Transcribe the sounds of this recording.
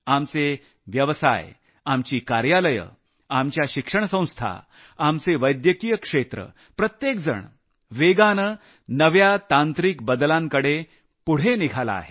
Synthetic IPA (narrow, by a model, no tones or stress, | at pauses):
amt͡se | ʋjəʋsa̰j | amt͡ɕiːkaɾjaləjə̰ | amt͡ɕjaɕikʂəɳsə̃w̃st̪ʰa̰ | amt͡seʋəjd̪jəkijəkʂet̪ɾə̰ | pɾət̪jek̚d͡zə̰ɳ | ʋeɡanə | nəʋjat̪ãnt̪ɾikbəd̪lãŋkəɽe | puɽ̤eniɡʱala̰a̰ɦe